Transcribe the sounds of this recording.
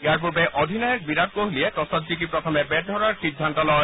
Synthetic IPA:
eaɹp̬uɾbeʔod̪ʱinɔjɔk̚biɾab̚koɦliet̪ɔsɔt̪d͡ʒikipɹɔt̪ʰɔmebɛd̪ʱɔɹaɹsid̪ʱːant̪ɔlɔ

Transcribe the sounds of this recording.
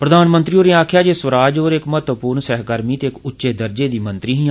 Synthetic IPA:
pɾəd̪aːnmənt̪ɾiːoːneːaːkʰjaːd͡ʒeːsʋəɾaːd͡ʒɦoːɾɪkmət̪ʋpuːɾnsɛːɦɡəɾmiːt̪eːkʊtːʃeːd̪əɾd͡ʒeːd̪iːmə̃nt̪ɾiːɦĩː

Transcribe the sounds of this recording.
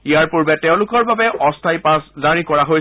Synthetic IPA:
ijaɹpuɹbɛtɛʊ̃lʊkɔɹbabɛʔɔstʰajpaszaɹikɔɹaɦoj

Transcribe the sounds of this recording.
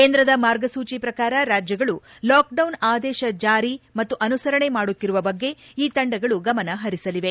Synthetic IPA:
keːnd̪ɾɐd̪ɐmaːɾɡɐsuːt͡ʃipɾɐkaːɾɐɾaːd͡ʒjɐɡɐɭulaːk̚ɖɐwnaːd̪ɛːʃɐd͡ʒaːɾimɐt̪ːuʔɐnusɐɾɐɳe̞maːɽut̪ːiɾuʋɐbɐɡːe̞iːt̪ɐɳɖɐɡɐɭuɡɐmɐnɐɦɐɾisɐliʋe̞

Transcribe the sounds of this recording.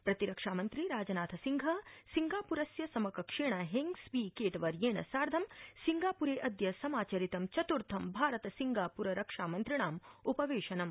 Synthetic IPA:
pɾɐt̪iɾɐkʂaːmɐnt̪ɾiɾaːd͡ʒɐnaːt̪ʰɐsiŋɡʱɐsiŋɡaːpuɾɐsjɐsɐmɐkɐkʂeːɳɐɦeŋɡsʋiːkeːʈɐʋɐɾjeːɳɐ̰saːɾd̪ʱɐmsiŋɡaːpuɾeːʔɐd̪jɐsɐmaːt͡ʃɐɾit̪ɐmt͡ʃɐt̪uɾt̪ʰɐmbʱaːɾɐt̪ɐsiŋɡaːpuɾɐɾɐkʂaːmɐnt̪ɾiɳaːmupɐʋeːʃɐnɐm

